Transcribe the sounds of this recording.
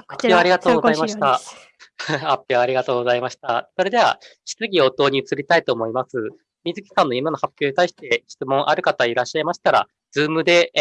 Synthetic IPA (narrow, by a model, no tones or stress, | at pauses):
hapʲːiaɾʲiɡat̪o̞ːɡoaimaɕi̥t̪a | hapʲːiaaɾʲiɡat̪o̞ːɡo̞zaimaɕi̥t̪aso̞ɾe̞d̪e̞βa̰ɕi̥t͡sɨɡʲio̞t̪o̞ːɲ̟it͡sɨɾʲit̪ait̪o̞ːmo̞imasɨ | mʲizɨkʲi̥sãnːo̞imano̞hapʲjo̞ːɲ̟it̪aiɕi̥t̪e̞ɕi̥t͡sɨmõ̞ɰ̃ʔaɾɯ̟kat̪aiɾaɕːaimaɕi̥t̪aɾa̰ | d͡zɨːmɯ̟d̪e̞